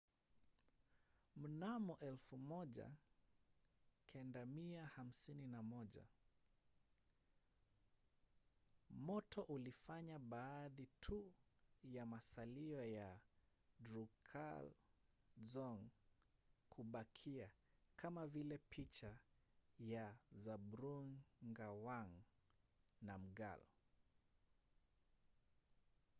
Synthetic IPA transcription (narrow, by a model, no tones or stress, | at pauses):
m̩namɔʔɛlfumɔʄa̰ | kʰɛndamiaham̩sininamɔʄa̰ | mɔtɔʔulifaɲaɓaːðitʰujamasaliɔja | dɾukʰa̰l | zɔŋ | kuɓakʰiakamavilɛpʰit͡ʃa | jazaɓɾuŋɡawaŋ | nam̩ɡa̰l